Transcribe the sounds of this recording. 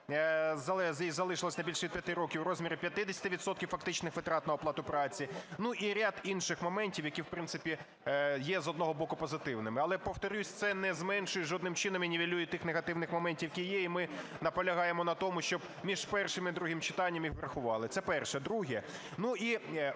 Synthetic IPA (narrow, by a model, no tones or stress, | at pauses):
zɐɛzizɐlˠɪʃɪlˠɔsʲnɐjbʲilʲʃɛʋʲid̪pjɐt̪ɪɾɔkʲiwɾɔzʲmʲiɾʲɪpʲjɐt̪ɪd̪ʲɪsʲɐ̥t̪ɪʋʲid̪sɔt̪kʲiwfɐkt̪ɪt͡ʃnɪxʋet̪ɾɑt̪nɐɔplˠɑt̪ʊpɾɑt͡sʲinuʔiɾʲad̪inʃɪxmɔmɛnʲtʲiwjɐkʲiwpɾɪnt̪sɪpʲi | jɛzɔd̪nɔɦɔbɔkʊpɔzɪt̪ɪwnɪmɪɐlˠɛpɔwt̪ɐɾʲusʲt̪sɛnɛzmɛnʃʊjʊʒɔd̪nɪmt͡ʃɪnɔmjinʲiʋʲilʲujɪt̪ɪxneɣɐt̪ɪwnɪxmɔmɛnʲtʲiwjɐkʲijjɛimɪnɐpɔlʲɐɦɑjemɔnɐt̪ɔmʊʃt͡ʃɔb̚ | mʲiʒpɛrʃɪmid̪ɾuɦɪmt͡ʃɪ̥t̪ɑnʲːɐmjixʋɾɐxʊʋɑlˠɪt̪sɛpɛrʃɛd̪ɾuɦɛ | nuʔi